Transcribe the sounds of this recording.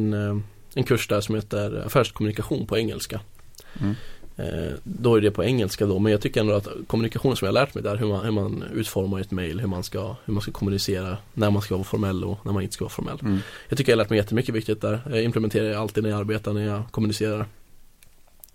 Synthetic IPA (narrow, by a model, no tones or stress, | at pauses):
n | ɛnkʰɵʂd̪æʂɔmheːt̪əɾa̰fæːʂkʰɔmɵnɪkaɧuːnpʰɔɛŋːɛ̰lska | d̪ɔæɖɛpʰɔɛŋːɛlskad̪ɔmɛnjɑɡ̚t̪ʏkːəɾɛnd̪ɔat̪kʰɔmːɵnɪkaxɧuːnənsɔmjɑːhalæːʈmɛjd̪æːɾɦɵmanhɵmanʉ̟ːt̪fɔɾmaɾɛt̪mɛjlɦɵɾmanskahɵmanskakʰɔmɵnɪseːɾanæɾmanskavɑːfɔɾmɛlːɔ̰næɾmanɪnskavɑ̰ːfɔ̰ɾmɛ̰lːjɑɡt̪ʏkːjhalæːʈmɛjɛt̪ːəmʏkːəvɪkt̪ɪheːt̪ːd̪æːɾjɪmplɛmɛnt̪eːɾaɾjaalt̪id̪næjaaɾbeːt̪aɳæɾjɑkʰɔmɵnɪseːɾaɾ